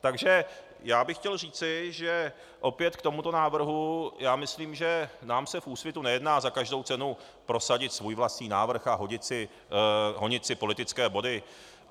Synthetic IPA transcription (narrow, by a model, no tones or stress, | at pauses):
t̪aɡʒɛ | jaːbɪxcɛlriːt͡sɪʒɛ | ʔo̞pjɛt̪kt̪o̞mut̪o̞naːvr̩ɦujaːmɪsliːmʒɛnaːmsɛfʔuːsvjɛt̪unɛjɛdnaːzakaʒdo̞wt͡sɛnu | pɾo̞saɟɪt̪svuːjvlast̪ɲiːnaːvr̩xaɦoɲɪt͡sɪ | ɦo̞ɲɪt͡sɪpo̞lɪt̪ɪt͡skɛːbo̞dɪ